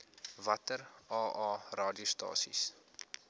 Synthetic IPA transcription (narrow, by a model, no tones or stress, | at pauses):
vɐtərɑːʔɑːrɑːdiustɑ̰ːsḭs